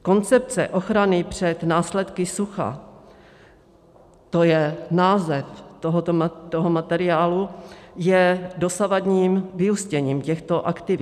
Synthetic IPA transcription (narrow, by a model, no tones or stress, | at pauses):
ko̞nt͡sɛp̚t͡sɛ̰ʔo̞xɾanɪpr̝̥ɛt̪naːslɛt̪kɪsuxa̰ | t̪o̞jɛnaːzɛft̪oɦot̪ot̪oɦomat̪ɛɾɪaːlujɛdo̞savadɲiːmvɪuscɛɲiːmcɛxt̪o̞ʔakt̪ɪvɪ